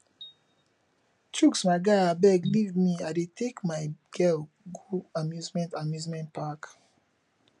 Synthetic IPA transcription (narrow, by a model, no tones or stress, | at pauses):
t͡ʃuksmaɪɡaɪabɛɡlivdmiadetʰekmaɪɡ̥ɛl | ɡuamjuzmɛ̃ntamjuzmɛ̃ntpak